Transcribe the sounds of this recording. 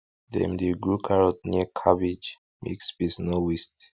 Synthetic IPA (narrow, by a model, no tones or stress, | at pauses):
dɛ̰̃mdeɡɹukʰaɹɔt̚niəkʰabid͡ʒ | mḛksbisnowist